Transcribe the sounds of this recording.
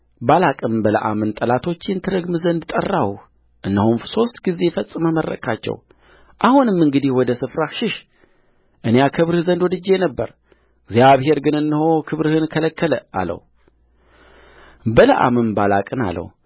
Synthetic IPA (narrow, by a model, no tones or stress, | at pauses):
balakʼɨnbələ̰ʔa̰mɨnt̪ʼəlat̪ʰo̞t͡ʃːjɛnt̪ʰɨɾəɡmɨzənd̪t̪ʼə̰rːawu | ʔɨnːəhumso̞st̪ʼɡizːefəsʼɨməmərːə̰kʰʼat͡ʃːɛ̰w | ʔahunɨmːɨŋɡɨd̪ihwɔd̪əsɨfɾaʃɪʃ | ʔɨnejakʰɨβɾɨhzənd̪wɔd̪ɨd͡ʒːenəbːə̰ɾ | ɡzjaβhɦe̞ɾɡɨnɨnːɨhokʰɨβɾɨhɨnkʰələkːələa̰lə̰wu | bələʔa̰mɨmbalakʼɨna̰lːə̰w